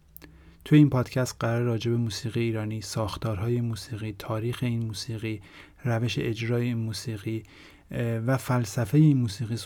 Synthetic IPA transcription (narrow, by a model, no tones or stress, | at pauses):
t̪ʰujeiːnpʰɒːd̪̥cʰæst̪̚ɢæɾɒːɾeɾɒːd͡ʒe̞be̞muːsiːɣijeiːɾɒːniːsɒːxt̪ʰɒːɾɦɒːje̞muːsiːɣiːt̪ʰɒːɾiːxe̞iːnmuːsiːɣiː | ɾæve̞ʃe̞̰ʔed͡ʒɾɒːjemuːsiːɣiː | væfælsæfe̞jeiːnmuːsiːɣiːs